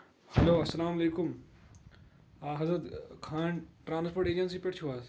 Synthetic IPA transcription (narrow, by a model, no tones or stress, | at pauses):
hɐloːɐsːɐlaːmɐleːkʊm | aɦɐzɾət̪kʰaːɳʈɾaːnspoːʈeːd͡ʒɐnsiːpeʈt͡ʃʰuʋaːs